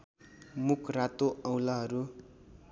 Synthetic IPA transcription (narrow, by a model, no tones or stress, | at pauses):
mukʰrat̪oʌ̃wlaɦʌɾu